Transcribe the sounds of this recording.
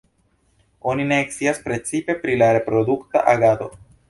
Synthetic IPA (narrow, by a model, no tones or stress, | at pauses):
onineːksiaspɾet͡sipe̞pɾilaɾe̞pɾod̪ukt̪a̰ʔaɡad̪o̞̰